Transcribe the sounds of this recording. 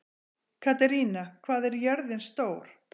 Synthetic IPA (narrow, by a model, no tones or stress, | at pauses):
kʰat̪ɛɾiːnakʰvaːðɛɾjœɾðɪnst̪oːwɾ̥